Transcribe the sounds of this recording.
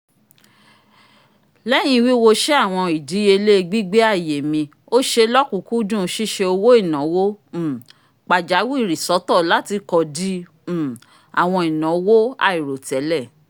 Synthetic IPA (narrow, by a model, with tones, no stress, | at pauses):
lɛ˦j̃ĩ˧wi˦wo˧ʃe˦a˦˨w̃ɔ̃˧i˨di˨˦e˧le˦˧ɡ͡bi˦ɡ͡be˦a˦˨je˨mĩ˧ | o˦ʃe˧lɔ˦kũ˨˦ku˦dũ˦˨˦ʃi˦ʃe˧o˧wo˦i˦˨nɔ̃˨˦wõ˦˨ | k͡pa˨d͡ʒa˨˦wu˦i˦˨ɾi˨sɔ˨˦tɔ˦˨la˦ti˧kɔ˧dĩ˦˨ | a̰˨w̃ɔ̃˧i˨nɔ̃˨˦wo˦a̰˧˨i˨ɾo˨tɛ˨˦lɛ˦˨